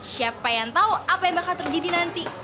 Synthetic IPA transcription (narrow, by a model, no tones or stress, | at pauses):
siapajaŋt̪auapajaŋbakat̪ərd͡ʒadinant̪i